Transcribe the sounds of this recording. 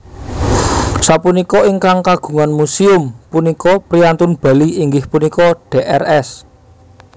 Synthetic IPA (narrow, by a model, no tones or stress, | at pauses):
sapunikɔiŋkaŋkaɡ̥ṳŋanmusiʊmpunikɔpɾiant̪ʊnb̥ä̤liiŋɡɪhpunikɔɖ̥eʔɛrɛs